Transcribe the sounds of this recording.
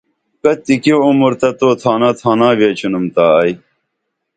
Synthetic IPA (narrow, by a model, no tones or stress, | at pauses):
kɐt̪ikoumuɾt̪ɐt̪oːt̪ʰaːnaːt̪ʰaːnãːʋeːt͡ɕʰunumt̪aːj